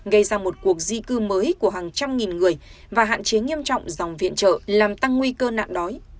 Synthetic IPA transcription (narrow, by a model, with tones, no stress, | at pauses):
ɣə˧jzaː˧mo˨˩t̚ku˨˩ək̚zi˧kɨ˧məː˨˦jku˧˩əhaː˨˩ŋt͡ɕa˧mŋi˨˩nŋɨ˨˩əj | vaː˨˩ɦa̰ː˧˨nt͡ɕe˨˦ŋi˧əmt͡ɕɔ̰˧˨wŋ͡mza˨˩wŋ͡mvḭ˧˨ənt͡ɕə̰ː˧˨laː˨˩mt̪a˧ŋːwi˧kəː˧na̰ː˧˨nɗɔ˨˦j